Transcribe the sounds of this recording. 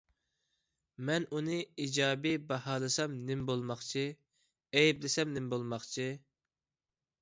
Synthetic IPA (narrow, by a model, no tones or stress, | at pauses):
mɛnunɨid͡ʒɑːbibɛhɑːlˠɨsɑmnɪmbolˠmɑχt͡ʃʰi | ɛjblɪsɛmnɪmbolˠmɑχt͡ʃʰi